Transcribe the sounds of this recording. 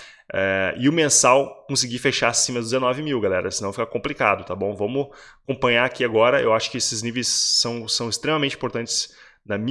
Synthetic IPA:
ɛɪʊmẽsawkõsɪɡifeʃasĩmɐd̪ʊzd̪ɪzenɔvɪmiwɡalɛɾɐsɪnɐ̃w̃fikɐkõmplika̰d̪ʊt̪abõw̃vɐ̃mʊakõpɐ̃jɲaakiaɡɔɾɐḛwaʃʊ̥kɪesɪznivejsːɐ̃w̃sɐ̃w̃ɪst̪ɾẽmɐmẽt͡ʃĩpoɾt̪ɐ̃nt͡ʃɪ̥s | nɐmĩ

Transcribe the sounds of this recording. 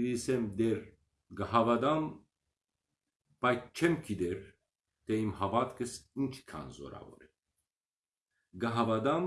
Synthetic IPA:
iisɛmd̪ɛɾ | ɡəɦavad̪am | b̥ajt͡ʃʰɛmkʰid̪ɛɾ | t̪ʰɛimɦavat̪kʰəsint͡ʃʰkʰa̰nzɔ̰ɾa̰vɔ̰ɾɛ | ɡəɦavad̪am

